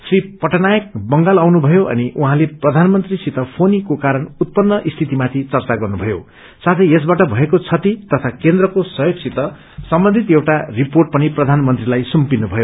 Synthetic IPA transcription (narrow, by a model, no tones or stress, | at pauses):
sripʌʈʌnajʌk̚bʌŋɡalawnubʱʌjoʔʌ̰niʔuɦãleprʌd̪ʱanmʌnt̪risit̪ʌpʰonikokaɾʌɳut̪̚pʌnːʌʔist̪ʰit̪imat̪ʰit͡sʌrt͡saɡʌrnubʱʌjo̰ | sat̪ʰʌjes̬baʈʌbʱʌekot͡sʰʌt̪it̪ʌt̪ʰakend̪rʌkosʌjoksit̪ʌ | sʌmbʌnd̪ʱit̪ewʈariporʈ̚pʌniprʌd̪ʱanmʌnt̪rilajsumpinubʱʌjo